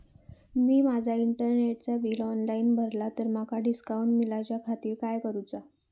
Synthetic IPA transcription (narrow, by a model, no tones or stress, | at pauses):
miːmad͡zʱaiɳʈəɾneʈ̚t͡sabiːlɔnlainbʱəɾlat̪əɾmakʰaɖiskauɳʈmilat͡ɕjakʰat̪iːɾkajkəɾut͡sa